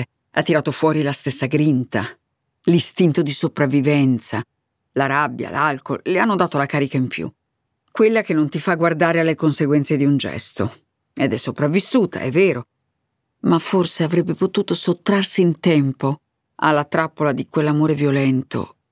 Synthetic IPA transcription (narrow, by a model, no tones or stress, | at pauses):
at̪ːiɾaːt̪ofwɔːɾilast̪esːaɡɾint̪a | list̪int̪od̪isopɾavːivɛnt̪sa | laɾabːja̰lalko̰lleanːod̪aːt̪olakaːɾikaimpʰjṵ | kwelːakenːont̪ifaɡːward̪aːɾealːekonseɡwɛnt̪sed̪iund͡ʒɛ̰st̪o | ed̪ɛsːopɾavːisːuːt̪ʰa̰ɛvːeːɾo | mafːorseavɾɛbːepot̪uːt̪osot̪ːɾarsiːnt̪ɛmpo | a̰lːat̪ɾapːolad̪ikwelːamoːɾevjolɛnt̪o̰